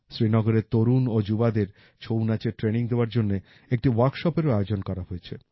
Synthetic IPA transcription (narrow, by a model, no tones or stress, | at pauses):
sɾinɔɡoɾet̪oɾunod͡ʑubad̪eɾ | t͡ɕʰownat͡ɕeʈɾeniŋd̪eoaɾd͡ʑonːe | ek̚ʈiwaɾkʃɔpeɾoaeod͡ʑonkɔɾaɦojet͡ɕʰḛ